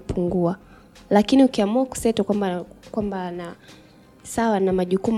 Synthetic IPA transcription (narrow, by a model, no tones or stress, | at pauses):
pʰuŋɡua | lakiniukiamuaku̥sɛtɔkwambakwambana | sawanamaʄukum